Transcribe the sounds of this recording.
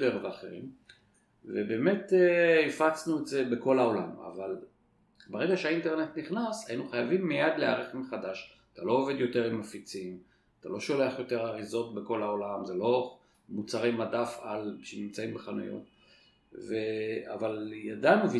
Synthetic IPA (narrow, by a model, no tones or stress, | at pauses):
beʁveaχḛʁḭm | vebe̞ːme̞teifat͡snuetze̞be̞ko̞laolama̰val | beʁe̞ɡaʃeainte̞ʁnetniχnashainuχajavimːejad̪leaʁeχmeχadaʃ | at̪alo̞ːve̞d̪jo̞te̞ʁimːafit͡sim | at̪alo̞ʃo̞le̞aχjo̞teʁaʁizo̞t̚beko̞laolamze̞lo̞ | mut͡saʁejmadafalʃenimt͡saimbeχanṵjo̰t | vea̰valjadanuvi